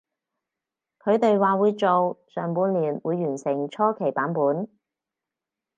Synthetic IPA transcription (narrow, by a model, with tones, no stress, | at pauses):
kʰɵ˨˧ɥt̪e˨jwaː˨wuː˨˧jt͡so˨wsœː˨˩ŋpuː˨˧nliː˨˩nwuː˨˧jːyː˨˩nsɪ˨˩ŋt͡ʃʰɔː˥kʰe˨˩jpaː˨˥npuː˨˥n